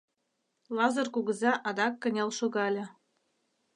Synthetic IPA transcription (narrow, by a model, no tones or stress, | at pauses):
lˠɑzɤ̆rkuɣɤ̆zɑʔɑd̪ɑkːɤ̆nʲɑlʃoɣɑlʲɤ̆